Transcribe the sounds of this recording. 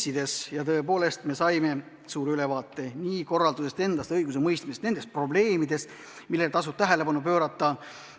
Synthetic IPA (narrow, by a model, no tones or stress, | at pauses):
sid̪̥e̞sjɑt̪ɤ̞epo̞ːle̞st̪me̞sɑjme̞ | suːɾylevɑːt̪ːˑe̞niːko̞rːɑld̪use̞st̪e̞nd̪̥ɑst̪ɤjɡus̬e̞mɤjst̪misest̪ne̞nd̪est̪̚pro̞ble̞ːmid̪e̞s | milːelt̪ɑs̬ub̥̚t̪æɦele̞bɑnup̬ø̞ːɾɑt̪ːˑɑ